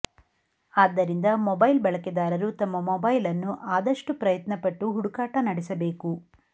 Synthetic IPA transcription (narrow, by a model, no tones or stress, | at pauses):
aːd̪ːɐɾind̪ɐmɔbɐjlbɐɭɐkɛd̪aːɾɐɾut̪ɐmːɐmɔbɐjlɐnːuʔaːd̪ɐʂʈupɾɐjɐt̪nɐpɐʈːuɦuɽukaːʈɐnɐɽɛsɐbe̞ːku